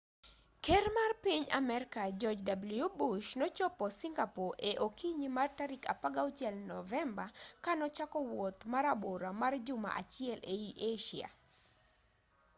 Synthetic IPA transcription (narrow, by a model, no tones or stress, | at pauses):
kɛrmarpiɲa̰mɛɾkad͡ʒɔd͡ʒdabljubuʃnɔt͡ʃɔpɔsiŋɡapoʔeʔokiɲimartaɾika̰paɡaot͡ʃjɛlnɔvɛmbakanɔt͡ʃakɔwot̪maɾaboɾamard͡ʒʊma̰ʔat͡ʃɪɛleiʔeʃia̰